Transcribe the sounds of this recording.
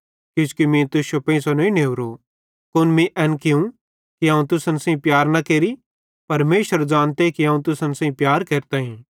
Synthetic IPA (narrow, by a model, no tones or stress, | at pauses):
kʊ̃skimĩt̪ʊʃopẽĩsɐnɐĩneʊɾo | kʊnmĩʔɛːnkɪũ | kiɦaːũt̪ʊsɐnsɐ̃ĩpjaːɾnɐkeːɾi | pɐɾmeːʃəɾd͡ʒãːnt̪ekiɦãũt̪̬ʊsənsãːĩpjaːɾkeːɾt̪aːɦĩː